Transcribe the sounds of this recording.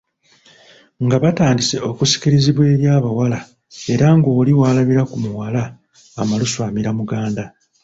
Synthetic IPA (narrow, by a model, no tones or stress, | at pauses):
ŋɡaβataːndise̞o̞kusi̥ciɾiziβwe̞ːɾjaːβawala | e̞ɾaŋɡo̞ːliwaːlaβiɾakumuwalaː | maluswaːmiɾamuɡaːnda